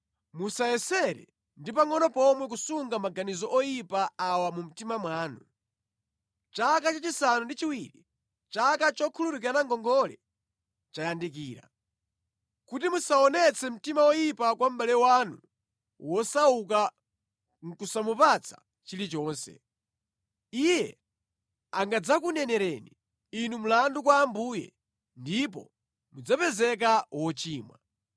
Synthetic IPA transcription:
musajɛsɛɾɛ̰ | ndipaŋɔnɔpɔmwɛk̬usuŋɡamaɡanizɔʔɔjipaawamum̩timamwaːnu | t͡ʃakat͡ʃat͡ʃisanundit͡ʃiwiɾi | t͡ʃakat͡ʃɔkʰulutuk̬anaŋɡɔŋɡɔlɛ̰ | t͡ʃajandik̬iːɾa̰ | kutimusaɔnɛt͡sʰɛm̩timawɔjipakwam̩balɛwanu | wɔsauk̬a | ŋ̩kusamupat͡sʰḁ | t͡ʃilit͡ʃɔːnsɛ̰ | ijɛ | aŋɡad͡zakunɛnɛɾɛni | inum̩landukwaːmbujɛ̰ | ndip̬ɔ̰ | mud͡zapɛzɛk̬awɔt͡ʃiːmwa

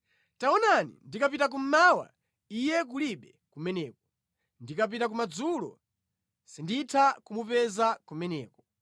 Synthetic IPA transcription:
taɔnanḭndikap̬itak̬um̩mawa̰ | ijɛk̬uliɓɛ | kumɛnɛːkɔ̥ | ndikap̬itak̬umad͡zulɔ̰ | sinditʰakumupɛzakumɛnɛːkɔ

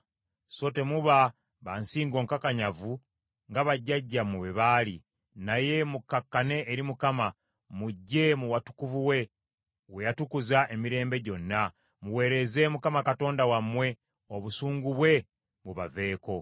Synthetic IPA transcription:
so̞te̞muβa | βansiːŋɡo̞ːŋkakaɲavu | ŋɡaβaɟːaɟːamuβeβaːlḭ | naje̞mukakːane̞ʔːɾimukama | muɟːe̞muwatu̥kuvuwe̞ | we̞jatukuzaʔe̞miɾe̞ːmbe̞ɟo̞nːa | muwe̞ːɾe̞ze̞mukamakato̞ːndawamːwe̞ | o̞βusuːŋɡuβwe̞ | muβa̰ve̞ːko̞

